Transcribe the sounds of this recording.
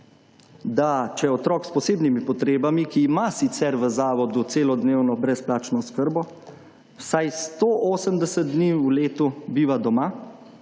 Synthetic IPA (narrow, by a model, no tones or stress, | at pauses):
d̪at͡ʃɛjɛɔt̪ɾɔːkspɔseːbnimipɔt̪ɾeːbamikiːmasit̪sɛɾʋəzaːʋɔd̪ut̪seːlɔd̪neːwnɔbɾɛsplaːt͡ʃnɔskəɾbɔ | wsajst̪oʔoːsəmd̪ɛsət̪̚d̪niːuleːt̪ubiʋad̪ɔma